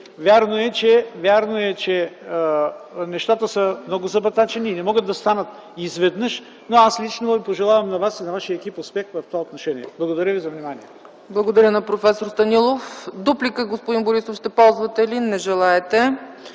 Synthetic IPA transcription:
vʲjaɾnoɛt͡ʃɛvʲjaɾnoɛt͡ʃɛ | nɛʃt̪at̪əsəmnɔɡʊzɐbɐt̪at͡ʃɛniːnɛmɔɡət̪̚d̪ɐst̪anət̪ | izvɛd̪nɤʃ | noaslit͡ʃnovipoʒɛlˠavɐmnɐvasinɐvaʃiəɛkipospʲɛxt̪vɐft̪ovaot̪noʃɛniɛb̥lˠɐɡod̪ɐɾʲjəvizɐvnimaniɛ | blˠɐɡod̪ɐɾʲənɐpɾofɛsoɾst̪ɐnilˠofd̪uplikəɡospoʊd̪inboɾisofʃt̪ɛpɔlˠzvɐt̪ɛlinɛʒɛlˠaɛt̪ɛ

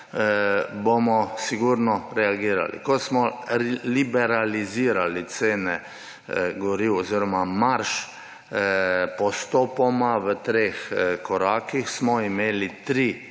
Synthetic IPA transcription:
bomɔsiɡuɾnɔɾɛaɡiːɾa̰lḭkɔsmɔlibɛɾaliziːɾalit̪seːnɛ | ɡɔɾiwɔziːɾɔmamaɾʃ | pɔst̪ɔːpɔmaʋət̪ɾeːxkɔɾaːkixsmɔimeːlit̪ɾi

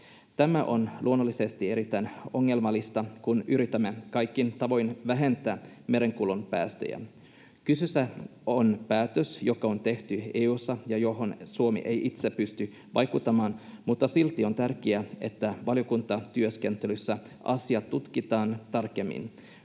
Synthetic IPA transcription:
t̪æmæʔo̞nlʔuonːolːise̞st̪ieɾit̪ˑːæjno̞ŋːe̞lmɑlːist̪ɑkunyɾit̪æmːekɑjkːint̪ɑʋo̞jnʋæɦe̞nt̪ˑæː | me̞ɾe̞ŋkulunpæ̰ːst̪ø̰jæ̰ | kysysæonpæːt̪øsjo̞kɑo̞nt̪e̞ht̪yeːusːɑjɑjoɦonsuomḭʔejʔit̪sepyst̪y | ʋʔɑjkut̪ːɑmɑːnmut̪ːɑsilt̪ːˑio̞nt̪ærkiæe̞̰t̪ːæʋɑljokunt̪ɑt̪yøske̞nt̪elysːæ | ʔɑ̰siɑt̪t̪ːut̪kit̪ɑːnt̪ɑrke̞mːḭn

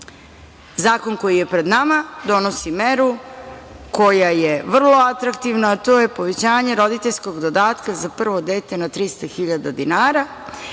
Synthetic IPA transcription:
zaːko̞nko̞jije̞pɾe̞d̪namad̪o̞no̞simeɾu | ko̞jajeʋr̩lˠo̞at̪ɾakt̪iʋnaːt̪o̞ːje̞po̞ʋet͡ɕaːɲe̞ɾo̞d̪it̪eʎʲsko̞ɡd̪o̞d̪aːt̪kazapr̩ʋo̞d̪e̞ːt̪e̞nat̪ɾist̪axiʎad̪ad̪inaːɾa

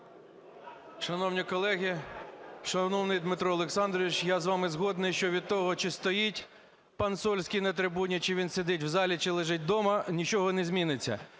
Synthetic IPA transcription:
ʃɐnɔwnʲikɔlˠɛɦʲi | ʃɐnɔwnɪjd̪mɪt̪ɾɔlˠeksɑnd̪ɾɔʋʲit͡ʃjazʋɑmɪzɦɔd̪nɪjʃt͡ʃɔʋʲid̪̚t̪ɔɦɔt͡ʃɪst̪ɔjitʲ | pɐnsɔlʲsʲkʲijnɐt̪ɾɪbunʲit͡ʃɪʋʲinsed̪ɪtʲwzɑlʲit͡ʃɪlˠɪʒɪt̚ʲd̪ɔmɐnʲit͡ʃɔɦɔnezʲmʲinɪt͡sʲːɐ̰

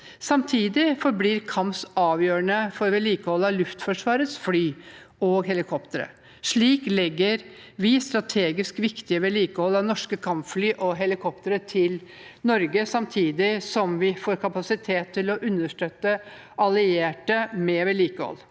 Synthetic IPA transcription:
sɑmt̪ʰiːd̪ɪfɔɾbliːɾkʰɑmsɑːʋjøːɾəɳəfɔɾʋɛliːkəhɔlːɑʋlʉft̪fɔʂʋɑːɾət̪sflyː | ɔɡɦɛlɪkʰɔpt̪əɾə̰ | ʂɭiːklɛɡːəɾ | ʋɪst̪ɾɑt̪ʰeːɡɪskʋɪkt̪ɪəʋɛliːkəhɔlːɑʋnɔʂkəkʰɑmflyːʔɔɦɛlɪkʰɔpt̪əɾət̪ʰɪl | nɔɾɡəsɑmt̪ʰiːd̪ɪsɔmʋɪfoːɾkʰɑpɑsɪt̪ʰeːt̪ʰːɪlɔʔʉnːəʂʈøːt̪ːə | ʔɑlɪeːʈəmɛʋɛliːkəhɔ̰lː

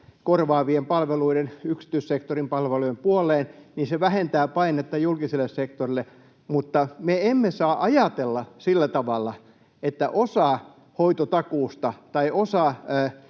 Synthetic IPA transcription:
korʋɑːʋiempɑlʋeluiɾenyksi̥t̪yˑissekt̪orimpɑlʋeluiempuolˑeːnniːnseʋæhent̪æːpɑinet̪ːɑjulkiselːˑessekt̪orilːe | mut̪ːɑmeemːesɑːʔɑjɑt̪elːɑsilːæt̪ɑʋɑlːɑ | et̪ːæ̰ʔosɑˑ | hoit̪ot̪ɑkuːst̪ɑt̪ɑiʔosɑː

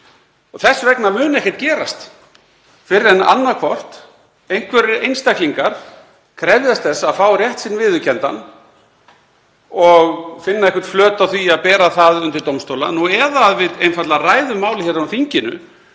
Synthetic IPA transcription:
ɔɣθɛsːvɛknamʏːnɛhcɪ̥t̪cɛːɾast̪ | fɪɾɪɾɛna̰nːakʰvɔr̥t̪ | ejŋ̥kʰvɛɾɪɾejnst̪akliŋkaɾ̥ | kʰɾɛvðjast̪θɛsːaːfaːwrjɛht̪sɪnvɪðʏcʰɛnt̪a̰n | ɔɣfɪnːaɛhkɛ̥t̪flœːt̪awθiaðpɛːɾaθaðʏnt̪ɪɾt̪owmst̪owla̰nuɛðaːðvɪðejnfat̪laraːjðʏmːaːwlɪhçɛɾanfiɲcɪnʏ̰

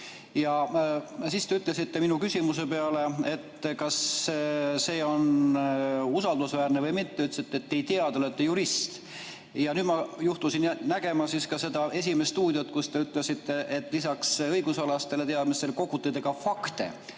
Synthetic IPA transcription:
jɑ | sist̪e̞yt̪ːˑle̞sit̪ːe̞minukysʲimuse̞pe̞ɑle̞e̞t̪ːkɑs | se̞ːo̞n | usɑld̪usvæːɾnevɤjmit̪ːeyt̪lsit̪ːeet̪ːejt̪eɑd̪̥olet̪ːejuɾist̪ | jɑnyːd̪̥mɑjuht̪usinnæɡ̥e̞mɑsiskɑse̞d̪̥ɑʔe̞s̬ʲimest̪uːd̪̥ʲjot̪ːkust̪e̞yt̪ˑlesit̪ːe̞ʔet̪ːˑlisɑksɤjɡusɑlɑst̪e̞let̪eɑd̪mise̞lko̞kut̪ːˑed̪eɡ̥ɑfɑkt̪e̞̰

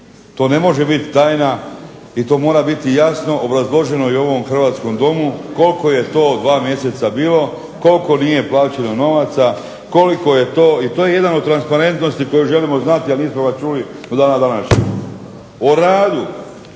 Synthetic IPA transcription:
t̪o̞ːne̞mo̞ʒe̞bit̪i̥t̪aːjna | it̪o̞ːmo̞ːɾabit̪ijasno̞ʔobɾazlˠo̞ʒe̞no̞io̞ʋo̞mxr̩ʋaːt̪sko̞md̪o̞muko̞lko̞je̞t̪o̞ːd̪ʋaːmje̞se̞t̪sabiːlo̞ | ko̞lko̞nije̞plaːt͡ɕeno̞no̞ʋat̪sa | ko̞liko̞je̞t̪o̞ːit̪oːje̞je̞d̪anod̪̚t̪ːɾanspaɾe̞nt̪no̞st̪iko̞juʒe̞limo̞znat̪ianiːsmoɡast͡ʃuli | d̪od̪aːnad̪anaʃɲḛɡ | oɾaːd̪u

